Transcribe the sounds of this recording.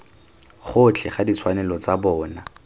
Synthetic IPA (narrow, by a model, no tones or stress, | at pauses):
χʊt͡ɬʰɛχadit͡sʰwanɛlɔt͡sabɔːna